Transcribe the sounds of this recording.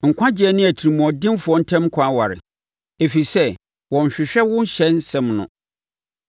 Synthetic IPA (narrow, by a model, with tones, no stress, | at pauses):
ŋ̩˨kʷʰã˦d͡ʑɪ˨˦ɛ˦nɪ̃˦æ˨tʰi˨i˨mũ˨ɔ˨dɪ̃˦mfʊ˨ɔ˦n̩˦tʰɛ̃˦m˦kʰã˦wa˨ɾɪ̰˨ | e˨fi˨sɛ˦ | wɔ̃˨ɲ̩˨ɕᶣɪ˨ɕᶣɛ˦wʊ̃˦n˦ɕɛ̃˦nsɛ̃˦mnʊ̰̃˨